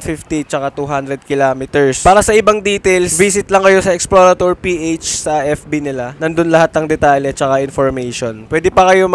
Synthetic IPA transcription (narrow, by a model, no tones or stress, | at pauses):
fɪft̪it͡ʃɐkat̪uɦand̪ɾɛd̪̚kɪlamɪt̪ɛɹspaːɾɐsɐʔɪbaŋd̪iːt̪ɛlsbiːs̬ɪt̪lɐŋkɐjo̞sɐɛksploːɾɐt̪oɹpiːʔejt͡ʃsɐʔɛfbinɪlanɐnd̪onlɐhat̪̚ːɐŋd̪ɛt̪aːljɛt͡ʃɐkaʔɪnfoɹmɛjʃonpwɛːd̪ɪpɐkɐjom